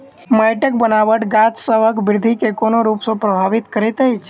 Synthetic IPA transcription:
məjʈək̚bənaʋəʈɡat͡ʃsəʋəkbɪɾd̪ʱikekonoɾupsə̃pɾəbʱaʋit̪kəɾɛt̪əjt͡ʃʰ

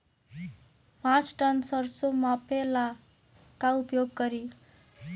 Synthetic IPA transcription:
pãt͡sʈʌnsʌrsomapela | kaupjoɡɡʌɾi

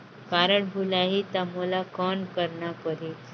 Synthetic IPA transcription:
kaɾəɳbʱulaɦiːt̪aməlakɔnkəɾɳapəɾit̪

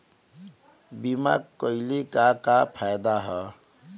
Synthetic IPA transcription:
bima̰kkːʌjlekakapʰajd̪aɦʌ

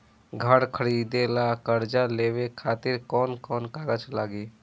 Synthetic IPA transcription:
ɡʱəɽkʰəɾiːd̪elakəɾd͡ʒaleːwekʰaːt̪ɪɾkɔːnkɔːnkaːɡət͡ʃlaːɡiː

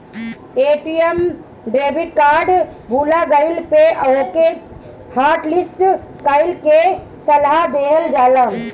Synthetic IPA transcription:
eʈijəm | ɖebʱiɖkaɾɖbʱulaɡəɪlpeʔoke | haɾʈlisʈkəɪlke | səlad̪eəld͡ʒalən

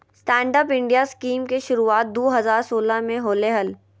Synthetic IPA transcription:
sʈɛ̃ːɳɖəpɪ̃ɳɖijaskiːmkeʃʊɾuaːt̪̚d̪oːɦɐzaːɾsoːlamẽɦoːleɦəl

